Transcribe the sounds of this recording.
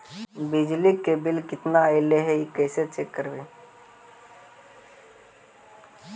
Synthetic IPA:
bɪd͡ʒlikːebɪlkɪt̪naəɪleɦɛikɛːset͡ʃeːkːəɾbe

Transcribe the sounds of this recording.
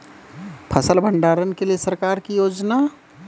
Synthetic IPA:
pʰɐsəlbʱə̃ɳɖaːɾənkeliesɐɾkaːɾkijoːd͡ʒna

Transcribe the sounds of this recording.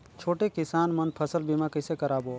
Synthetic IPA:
t͡ʃʰoːʈekɪsaːnmənpʰəsəlbimãːkəɪseːkəɾaːboː

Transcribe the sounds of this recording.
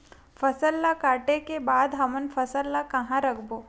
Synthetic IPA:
fɐsəlːakaːʈekebaːd̪ɦɐmənfʰɐsəlːakɐɦãɾɐkʰboː

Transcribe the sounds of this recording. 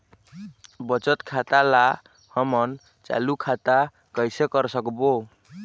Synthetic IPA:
bət͡ʃət̪kʰat̪ala | həmʌn | t͡ʃa̰lukʰat̪a | kəjsekəɾsəkbo

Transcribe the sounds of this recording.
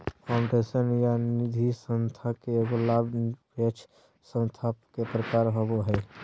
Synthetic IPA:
pʰaʊɳɖesənjanid̪ʱisə̃nst̪ʰakeeɡolabʱpet͡ʃʰ | sə̃nst̪ʰapkepɾəkaːɾɦoboɦɛ

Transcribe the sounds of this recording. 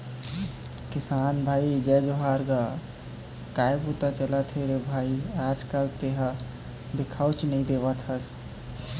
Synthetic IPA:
kɪsaːnbʱaːid͡ʒɛd͡ʒoɦaːɾɡa | kaːjbut̪at͡ʃəlat̪ʰeɾebʱaiaːd͡ʒkalt̪eɦə | d̪ɪkʰaːwt͡ʃnəĩd̪eʋət̪ɦəs

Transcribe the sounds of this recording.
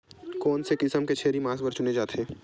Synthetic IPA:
kɔːnsekɪsəmket͡ʃʰeːɾimaːsbəɾt͡ʃʊned͡ʒaːt̪ʰeː

